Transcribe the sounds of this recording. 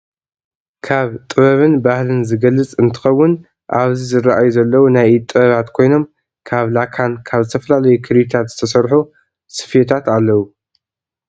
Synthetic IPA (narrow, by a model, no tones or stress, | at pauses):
kʰaβt̪ʼɨβɐβɨnbahlɨnzɨɡɐlːɨt͡sʼɨnt̪ʰɨ̥xɐwːʊn | ʔaβzizɨrːaʔajuzɐlːɐwunajt̪ʼɨβɐβat̪kʰo̞jno̞m | kʰaβlakʰankʰaβzɨt̪ʰɐfɐlalɐjukʰɨɾit̪ʰat̪zɨt̪ʰɐsɐɾħu | sɨ̥fjet̪ʰat̪alːɐwu